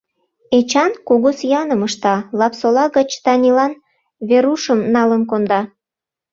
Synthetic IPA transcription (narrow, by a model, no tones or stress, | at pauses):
et͡ɕɑnkuɣosjɑnəməʃt̪ɑlɑpsolɑɣət͡ɕt̪ɑnʲilɑn | βeɾuʃəmnɑlənkond̪ɑ